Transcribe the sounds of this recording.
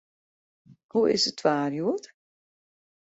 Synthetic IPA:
huɪ̰sətʰʋaːrjuət

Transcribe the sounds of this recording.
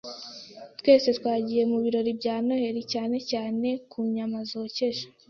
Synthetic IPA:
t̪we̞ːse̞t̪waːɟije̞muβiɾo̞ɾibɟaːno̞he̞ɾicaːne̞caːne̞kʰuɲamazoce̞ʃo̥

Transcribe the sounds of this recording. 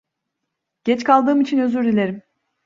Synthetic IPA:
ɟ̥ɛt͡ʃkʰalˠd̪ɯːmit͡ʃʰinø̞zyɾd̪ilʲe̞ɾim

